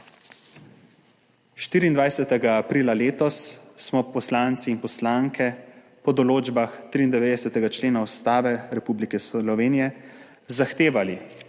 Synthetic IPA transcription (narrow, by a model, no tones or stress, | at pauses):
ʃt̪iːɾiːnd̪ʋajsɛt̪ɛɡaːpɾiːlaleːt̪ɔsːmɔpɔslaːnt̪siːnpɔslaŋkʰɛ | pɔd̪ɔloːd͡ʒbaxt̪ɾiːnd̪ɛʋeːd̪ɛsɛt̪ɛɡat͡ʃleːnaust̪aːʋɛɾɛpublikɛslɔʋeːnijɛ | zaxt̪eːʋali